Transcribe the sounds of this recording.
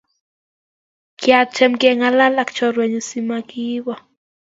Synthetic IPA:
kjat̪̚t͡ʃɛ˨mkɛ˨ŋa˦la˦la˦kt͡ʃɔ˨ɾwɛ˨ɲu˨si˦makiβɔ˨

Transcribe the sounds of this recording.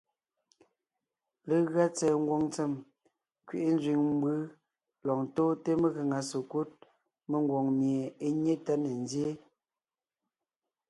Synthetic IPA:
le˨˦ɣɰa˦t͡sɛː˨ŋ̩˦ɡwo˦˨ŋt͡se˦˨m | kɥe˨ʔe˦n˦zɥi˨ŋm˦bɯ˦ | lɔ˨ŋtoː˦te˦me˦˨ɣə˨ŋa˨so˨ku˦t̚ | me˨ŋ˦ɡwo˨ŋmje˨e˦ɲe˦ta˦ne˨n˦zje˦

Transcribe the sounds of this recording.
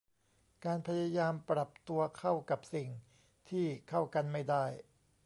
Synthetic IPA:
kaː˧npʰa˧ja˧jaː˧mpɾa˨˩p̚t̪u˧ɐkʰa˥˩wka˨˩p̚si˨˩ŋ | t̪ʰiː˥˩kʰa˥˩wka˧nma˥˩jda˥˩j

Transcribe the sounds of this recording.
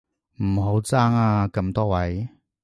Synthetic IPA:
m̩˨˩ɦo˨˥wt͡saː˥ŋaː˧kɐ˧mt̪ɔː˥wɐ˨˥j

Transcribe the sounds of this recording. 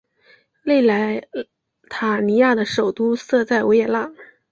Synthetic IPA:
le˥˩ɪla˧˥ɪ | t̪ʰa˨˩ni˧˥ja˥˩d̪ə˩ʂo˨˩ʊt̪u˥sɤ˥˧t͡sa˥˩ɪu˧˥jɛ˥˩la˥˩ŋ

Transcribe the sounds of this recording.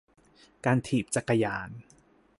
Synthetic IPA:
kaː˧nt̪ʰiː˨˩p̚t͡ɕa˨˩kːa˧jaː˧n

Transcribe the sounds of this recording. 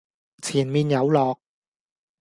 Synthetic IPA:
t͡sʰiː˨˩nmiː˨˧njɐ˨˧˥wlɔː˨˩k̚

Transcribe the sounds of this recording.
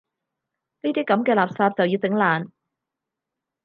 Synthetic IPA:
niː˥t̪iː˥kɐ˨˥mkɛː˧laː˨p̚saː˧p̚t͡sɐ˨wjiː˧wt͡sɪ˨˥ŋlaː˨n

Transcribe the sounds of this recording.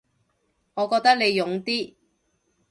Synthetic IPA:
ŋɔː˨˧kɔː˧k̚t̪k̚ne˨˧jːʊ˨˧ŋt̪iː˥

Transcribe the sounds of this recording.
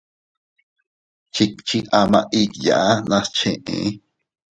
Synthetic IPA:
t͡ʃʰi˧k̚t͡ʃʰiʔa˨ma̰˦˧ʔikja̰˨ʔa˦nã˧st͡ʃʰẽʔḛ̃ʔ

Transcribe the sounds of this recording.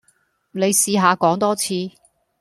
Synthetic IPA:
ne˨˧jsiː˧ɦaː˨˧kɔː˨˥ŋt̪ɔː˥t͡sʰiː˧

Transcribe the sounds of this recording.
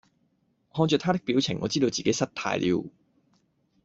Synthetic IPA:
hɔː˧ŋt͡sœː˨t̪ʰaː˥t̪ɪ˥k̚piː˨˥wt͡sʰɪ˨˩ŋːɔ̰ː˨˧t͡siː˥d̪o˧wt͡siː˨ke˨˥jsɐ˥t̪̚ʰa̰ː˧jlʔḭː˨˧w

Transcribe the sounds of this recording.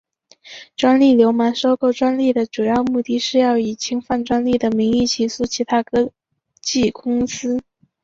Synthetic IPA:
ʈ͡ʂwa˥nli˥˩ljo˧˥ʊma˧˥nʂo˥ʊko˥˩ʊʈ͡ʂwa˥nli˥˩d̪ə˩ʈ͡ʂu˨˩jɑ˥˧ʊmu˥˧t̪i˥˩ʂɻ̩˥˧jɑ˥˩ʊi˨˩t͡ɕʰi˥ŋfa˥˩nʈ͡ʂwa˥nli˥˩d̪ə˩mi˧˥ŋi˥˩t͡ɕʰi˧˥˩su˥t͡ɕʰi˧˥t̪ʰa˥kɤ˥ | t͡ɕi˥˩kʊ˥ŋsɹ̩˥

